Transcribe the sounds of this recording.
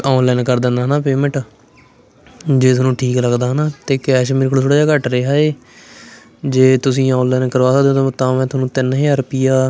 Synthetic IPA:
aːnlɛːnkəɾd̪ɪ̃nd̪aːɦənaːpeːmə̃ʈ | d͡ʒeːt̪̬nũːʈʰiːkləɡd̪aːɦənaːt̪eːkɛːʃmiɾkʰɽoːt̪ʰoːɽaːd͡ʒaːkəʈɾeːɦaːeː | d͡ʒeːt̪ʊsĩːãːnlɛːnkəɾʋaːsaːd̪ed̪õət̪ːãːʋɛ̃ːt̪ʊnũːt̪ɪnɦiːəɾpiːaː

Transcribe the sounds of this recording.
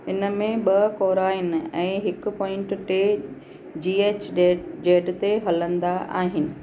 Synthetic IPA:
ɪnə̆mẽɓɐkoːɾaːɪnɪ̆ɛ̃ːɦɪkʊ̆pɔːɪ̃ɳʈʈeː | d͡ʑiːeːt͡ɕːɖeːɖt̪eɦɐlə̃nd̪aʔa̰ːɦɪnɪ̆

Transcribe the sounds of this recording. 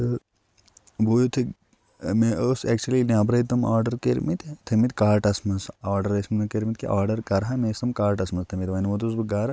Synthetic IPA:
boːjot̪ʰi | meosɛk̚t͡ʃuɐlinʲaːbɾɐit̪ɐmaːɾɖɐɾkeɾmit̪t̪ʰɐmit̪kaːɾʈɐsmɐnsaːɾɖɐɾɐsmɐnɐkeɾmit̪̚kḭʔaːɾɖɐɾkɐɾɦamesɐmkaːɾʈɐsmɐst̪ʰɐmit̪ʋɐniʋot̪us̬bɨɡaːɾ

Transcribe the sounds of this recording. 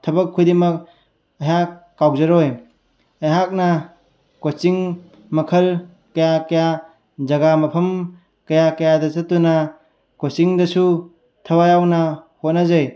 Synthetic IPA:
tʰɐbɐkʰːujdimɐk̚ | ɐɦakːawzɐɾoj | ɐjɦak̚nɐ | kot͡ʃiŋ | mɐkʰɐl | kɐjakɐja | zɐɡamɐpʰɐm | kɐjakɐjadɐsɐtːunɐ | kosiŋdɐsu | tʰɐwajawnɐhot̚nazɐj

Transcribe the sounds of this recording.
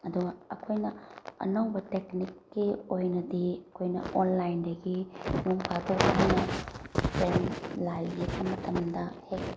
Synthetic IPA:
ɐduɡɐɐkʰojnɐɐ̰nɐwbɐteknikːiojnɐdiɐkʰojnɐ̰ʔonlajndɐɡinuŋpʰaɡokanɐpɾenlaliekɐmɐtʰɐmdɐhek̚

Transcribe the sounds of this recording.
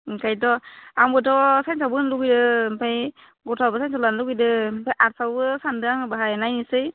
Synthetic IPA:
kajtɔambɯtʰɔsajnsabɯnluɡɯjdɯmpʰaj | ɡɔtʰabɯsajnsalanluɡɯjdɯpʰajʔaɾsawbɯsandɯaŋbaɦajnajnisɯj

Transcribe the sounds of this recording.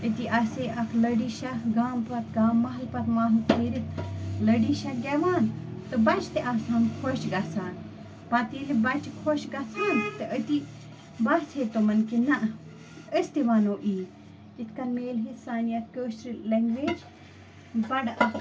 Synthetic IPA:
ət̪iʔɐseʔɐkʰlɐɖiːʃɐɡaːmpɐt̪ɡaːmːɐɦɐlpɐt̪maːɦupiːɾit̪ləɖiʃɐɡeʋaːnt̪ɨbɐt͡ʃʰt̪eʔaːsaːnkʰoʃɡɐsaːn | pɐt̪ilibɐt͡ʃikʰoːʃɡɐsʰaːnt̪ɨʔət̪i | bɐsʰeːt̪omɐnkinɐʔ | əst̪iʋaːnoːʔiː | kit̪ʰkɐnmeːlɦisaːnijɐt̪̚kəːʃɾileŋɡʋeːd͡ʒ | bɐɖɐk

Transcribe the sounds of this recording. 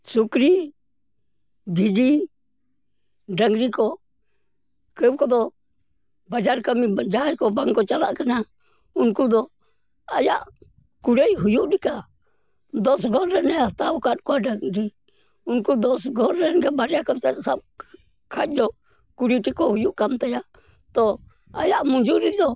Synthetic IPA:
sukɾi | bʱidi | ɖəŋɡɾikɔ | kəb̚kɔd̪ɔ | bad͡ʒaɾkamid͡ʒajkɔbaŋkːɔt͡ʃala̰ʔkəna | unkud̪ɔ | ajaʔ | kuɾɛjɦujuʔɗika | d̪ɔsɡɔɾɛnɛast̪abɔkat̚kɔaɖaŋɾi | unkud̪ɔsɡɔɾɾɛnɡɛbaɾɛjakɔt̪ɛsab̚ | kʰat͡ʃ̚d͡ʒɔ | kuɾiʈikɔhujuʔkamt̪aja | t̪ɔ | a̰jaʔmuɲd͡ʒuɾid̪ɔ

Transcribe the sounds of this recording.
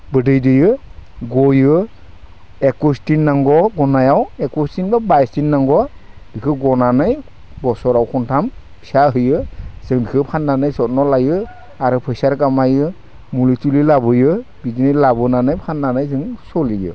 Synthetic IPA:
bɯdɯjdɯjɯɡɔjɯ | ɛkustinːaŋɡɔɡɔnajawɛkustinbabajstinːaŋɡɔd̥ikʰɯɡɔnanaj | bɔsɔɾawkʰɔntʰam | saɦɯjɯz̥ɯŋdikʰɯpʰanːanajsɔt̚nɔlajɯ | aɾɯpʰɯjsaɾkamajɯ | mulitulilabɯjɯbizinɯlabɯnanajpʰanːanajzɯŋsɔlijɯ̰

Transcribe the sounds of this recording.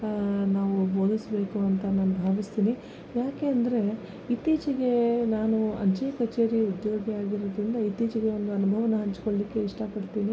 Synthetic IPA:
naːʋuboːd̪isbe̞ːkuɐnt̪ɐnaːnubʱaːʋist̪iːni | jaːke̞ɐnd̪ɐɾe̞ | it̪iːt͡ʃiɡe̞naːnuɐ̰ɲt͡ʃejɐkɐt͡ʃe̞ːɾiud̪jo̞ːɡiaːɡiɾod̪ɾind̪ɐit̪iːt͡ʃiɡe̞o̞nd̪uɐnubʱɐʋɐnɐɦɐɲt͡ʃkoɭlikːe̞iʂʈɐpɐɽt̪iːni

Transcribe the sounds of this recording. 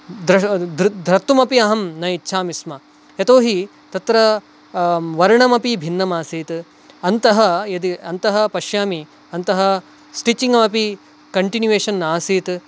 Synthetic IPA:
d̪ɾɐd̪ɾd̪ɾɐt̪ːumɐpiɐɦɐmnɐjitːʃʰaːmismɐ | jɐt̪oːɦi | t̪ɐt̪ɾɐ | ʋɐɾɐɳɐmɐpibʱinːɐmaːsiːt̪ | ɐnt̪ɐɦɐjɐd̪iɐnt̪ɐɦɐ̆pɐʃjaːmi | ɐnt̪ɐɦɐ | sʈit͡ʃiŋɡɐmɐpi | kɐɳʈinjuʋeːʂɐnːaːsiːt̪

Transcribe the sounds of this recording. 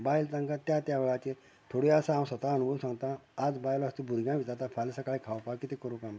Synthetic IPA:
bailt̪ãŋkat̪jat̪jaʋeɭat͡ɕe | t̪ʰoɽiasaːmsət̪aənubʱəwsãŋɡt̪ãːd͡zbajlast̪ibʱuɾɡãʋit̪at̪afʰalsakaɭikʰawpakːit̪ekəɾukãm

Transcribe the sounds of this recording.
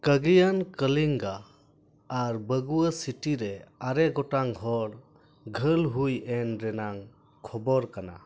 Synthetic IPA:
kəɡijankəliŋɡaː | ɾbəɡuəsiʈiɾɛaɾɛɡɔʈaŋɦɔɾ | ɡʱəlɦujɛnɾɛnaŋ | kʰɔbɔɾkana̰

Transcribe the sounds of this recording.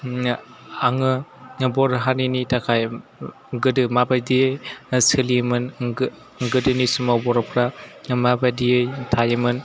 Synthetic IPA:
aŋɯbɔɾɦaninitʰakʰaj | ɡɯdɯmabajdijejsɯlimɯn | ɡɯdɯnisɯmabɔɾɔpʰɾamabadijɯjtʰajɯmɯn

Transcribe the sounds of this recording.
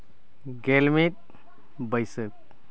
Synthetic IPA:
ɡelmit̪̚ | bəjsək̚

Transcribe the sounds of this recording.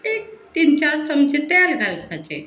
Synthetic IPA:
ek̚t̪int͡ʃaɾsəmd͡ʒet̪alɡalkʰat͡ʃḛ

